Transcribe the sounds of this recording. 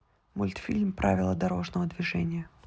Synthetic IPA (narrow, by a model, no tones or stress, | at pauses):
mʊlʲt̪fʲilʲmpɾʔavʲɪlˠəd̪ɐɾo̞ʐnəvəd̪vʲɪʐɛnʲɪjə